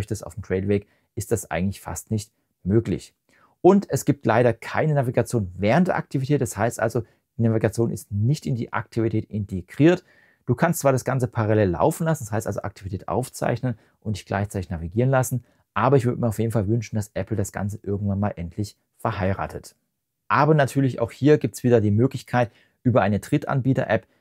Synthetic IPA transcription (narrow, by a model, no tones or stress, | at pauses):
çtəsta̰ʊfmtʁ̥ɛɪlvɛːk | ʔɪstd̥asʔa̰ɪɡŋ̩tlɪçfa̰stnɪçt | møːklɪ̰ç | ʔʊntɛsɡ̥iːp̚tʰlaɪɾɐkʰa̰ɪnənaviɡat͡sjoːnvɛːʁntd̥ḛɐʔa̰k̚tʰivitʰɛːtɛshaɪstʔa̰lzo | d̥iːnaviɡat͡sjoːnɪ̰stnɪçtɪndiːʔa̰k̚tʰivitʰɛːtʔɪntʰeɡ̥ʁiːɐt | d̥uːkʰanstt͡sv̥aːɐɾasɡ̥ant͡səpʰaʁalɛːlːa̰ʊfn̩lasn̩ɛshaɪstʔalzo̰ʔa̰k̚tʰivitʰɛːtʔa̰ʊft͡sa̰ɪçnən | ʔʊnt̚d̥ɪçɡ̥la̰ɪçt͡saɪtɪçnaviɡiːʁ̞ənlasn̩ | ʔaːbɐɪçv̥ʏɐdəmiːɐaʊfjeːdn̩falvʏnʃn̩d̥asʔɛpl̩dasɡ̥a̰nt͡səʔɪɐɡŋ̩tvanmaːlʔɛntʰlɪç | fɛɐɦaɪʁa̰ːtʰət | ʔaːbɐnatʰyːɐlɪça̰ʊxhiːɐɡiːp̚tsv̥iːdɐdiːmøːklɪçkʰaɪt | ʔyːbɐʔaɪnətʁ̥ɪtʔa̰nbiːtɐ̰ʔɛp